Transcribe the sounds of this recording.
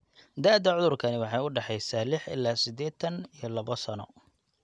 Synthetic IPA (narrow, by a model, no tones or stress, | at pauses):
d̪aːd̪ɐʕʊðʊrkʰɐnɪwɑħɑjʊɖɑħɛjsaːlɪħɪ̰laːsɪd̪ɛːt̪ɐnijɔlɐβɔsɐnɔ̰